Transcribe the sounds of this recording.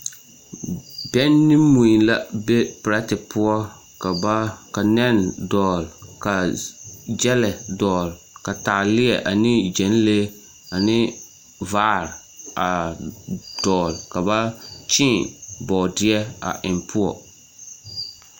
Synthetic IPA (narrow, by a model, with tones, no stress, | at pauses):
bɛ˦nːɪ˦mu˨i˨la˦be˦pɪ˨ɾa˦tɪ˨pʰʊ˦ɔ˦ | kka˨nɛ˦ndɔː˨lka˨ | d͡ʒɛ˦lɛ˨dɔː˨l | ka˨taː˨lɪ˦ɛ˨ʔa˨nɪ˦d͡ʒɛ˨˦n˦le˦ | a˨nɪ˦ | vaː˦˨ɾ | a˨ | d̥ɔː˨lka˨ba˦t͡ʃɪ̃˦˨bɔː˨dɪ˦ɛ˦a̰˨ʔɪ˨npʰʊ˦ɔ̰˨